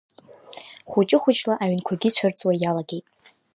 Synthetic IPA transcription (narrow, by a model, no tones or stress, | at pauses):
χʷut͡ʃʼɪχʷʊt͡ʃʼlaʔaɥnkʷʰaɡʲit͡ɕʷʰart͡sʼwajalaɡʲe̞jtʼ